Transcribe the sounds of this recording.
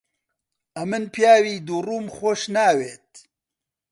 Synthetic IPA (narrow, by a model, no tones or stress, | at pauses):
ɐmɨnpjaːwiːd̪uruːmxʷoʃnaːweːt̪̚